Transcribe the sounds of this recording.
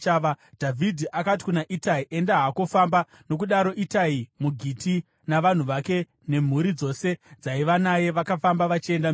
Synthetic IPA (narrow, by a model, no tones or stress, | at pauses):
aa | dʱavʱidʱiʔakat̬i̥kunaʔitaiʔe̞ndaɦako̞famba | no̞k̬uɗaɾo̞ʔitaimuɡʱiti | naʋan̤uʋake̞ | ne̞m̤uɾid͡zo̞se̞d͡zaiʋanaje̞ʋakafambaʋat͡ʃie̞nda